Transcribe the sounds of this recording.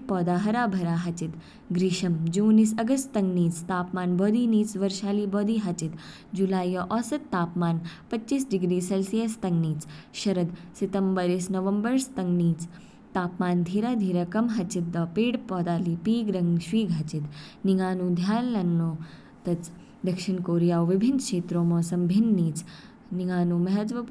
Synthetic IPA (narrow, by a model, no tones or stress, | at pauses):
pɔːd̪aːɦɐɾaːbʱɐɾaːɦɐt͡ʃit̪ | ɡɾiʃɐmd͡ʒuːnisɐɡɐst̪t̪ɐŋɡniːt͡st̪aːpmaːnbɔːd̪iːniːt͡sʋɐɾʃaːliːbɔːd̪iːɦɐt͡ʃit̪ | d͡ʒulaːjɔʔɔːsɐt̪ːaːpmaːnpɐːiːsɖiɡɾiːselsijɐst̪ɐŋɡniːt͡sʃɐɾɐd̪sit̪ɐmbəɾisnɐʋɐmbəɾst̪ɐŋɡniːt͡s | t̪aːpmaːnd̪ʱiːɾad̪ʱiːɾɐkɐmɦɐt͡ʃit̪̚d̪ɐpiːɽpɔːd̪aːliːpiːɡɾɐŋɡʃʋiːɡɦɐt͡ʃit̪niŋaːnuːd̪ʱjaːlːɐnːoː | t̪ɐt͡s | d̪ɐkʃinkoːɾijaːʋʋibʱinkʂeːt̪ɾoːmɔːsɐmbʱinːiːt͡s | niŋaːnumɐɦɐd͡ʒ̪ʋɐ